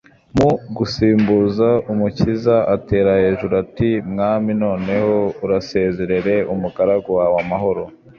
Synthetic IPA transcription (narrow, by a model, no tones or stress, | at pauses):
muɡusiːmbuːzaumucizaʔate̞ːɾahe̞ːʒuɾatimŋaːmino̞ːne̞ho̞uɾase̞ːze̞ɾe̞ɾe̞umuɡaɾaɡowawamaɦo̞ɾo